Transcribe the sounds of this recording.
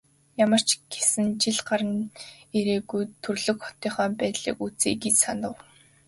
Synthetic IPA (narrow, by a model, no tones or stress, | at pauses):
jamə̆r̥t͡ɕɡ̥esɘ̆nt͡ɕiɮɢaɾə̆neɾeːɡujt̪ʰːɵrɮɵ̆kχɔ̥t̪iːχɔːpæːt̪ɮḭːkut͡seːɡit͡ɕsanə̆w